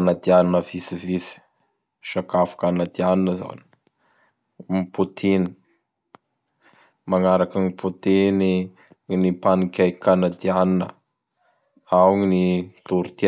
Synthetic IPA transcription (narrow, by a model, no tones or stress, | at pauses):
nad̪ianinəvisivisi̥ | ʃakafḁkanad̪ianinəza̰ni̥ | put̪ʰini̥ | maŋaɾakəŋipʰut̪ini | nipanikʲajkanad̪ianinə̰ | awŋinit̪uɾut̪i